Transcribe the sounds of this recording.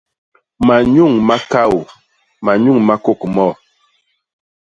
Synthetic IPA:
ma˨ɲu˦˨ŋma˦ka˦˨w | ma˨ɲu˦˨ŋma˦ko˦˨kmɔ˦˨

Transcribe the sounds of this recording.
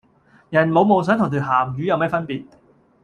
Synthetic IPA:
jɐ˨˩nmo˨˧wmo˨˧ws̬œː˨˥ŋʰʊ˨˩ŋt̪ʰy˨˩ɦaː˨˩mjyː˨˥jɐ˨˧wmɛː˥fɐ˥npiː˨˩t̚

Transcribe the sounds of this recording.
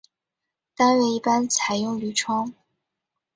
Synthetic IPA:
t̪a˥nɥɛ˥˧i˥˩pa˥nt͡sʰa˧˩˥ɪjʊ˥˩ŋly˧˩ʈ͡ʂʰwɑ˥ŋ

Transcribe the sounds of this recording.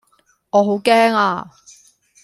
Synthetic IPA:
ɔː˨˧ɦo˨˥wkɛː˥ŋa̰ː˧

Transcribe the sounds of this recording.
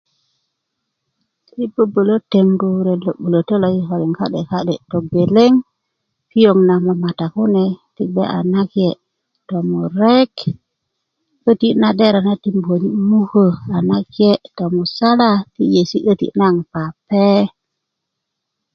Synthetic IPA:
ti˦bə˦bə˨lo˦te˨mɡu˨ɾe˨lo˨ɓu˨lo˨te˦lo˨ji˦ɦo˨li˨ŋka̰˦ɗe˨ka˦ɗe˨to˨be˨le˦ŋ | pi˦jo˨ŋna˨ma˨ma˨ta˨ku˦ne˨ti˦ɡ͡bḛ˦ʔa̰˨na˦kje˨ | to˨mu˨ɾe˦k | ə˦ti˦na˦ɗe˦ɾa˨na˦ti˦mbo˨ni˦mu˦hə˨a˨na˦kje˦to˨mu˨sa˦la˦ti˦je˨si˦ʔə˦tḭ˦na˦˨ŋpa˨pe˦

